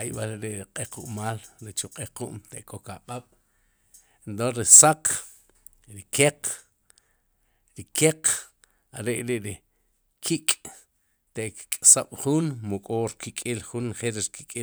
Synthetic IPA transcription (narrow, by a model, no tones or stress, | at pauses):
ajɓaleɾeʔɾiqʼequʔmaːlɾit͡ʃuqʼeqṵʔmt̪eʔkʼokaɓaɓ̥ | ent̪onɾisaq | ɾikeq | ɾikeq | aɾeʔɾiʔɾi | kʰikʼ | t̪eʔkkʼsaɓ̥χuːnmukʼoɾkikʼilχunχelɾiɾkikʼi